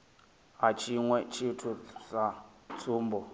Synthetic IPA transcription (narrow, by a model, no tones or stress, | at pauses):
ɦat͡ʃʰiŋwɛt͡ʃʰitʰusat͡sʰʼuːmbɔ